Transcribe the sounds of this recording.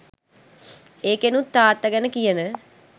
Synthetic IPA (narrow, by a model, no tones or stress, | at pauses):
eːkenut̪ːaːt̪ːaɡɛnəkijənə